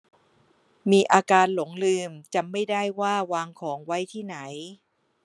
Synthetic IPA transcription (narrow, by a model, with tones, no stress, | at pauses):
miː˧ʔaː˧kaː˧nlo˩˦ŋlɯː˧mt͡ɕa˧˩mːa˥˩jda˥˩jwaː˥˩waː˧ŋkʰɔː˩˦ŋwa˦˥jt̪ʰiː˥˩na˩˦j